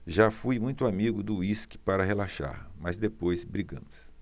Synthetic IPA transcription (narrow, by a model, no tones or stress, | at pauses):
ʒafujmũj̃t̪ʊamiɡʊd̪ʊiskɪ̥paɾɐɦelaʃa̰ɾmɐzd̪epojzbɾiɡɐ̃mʊs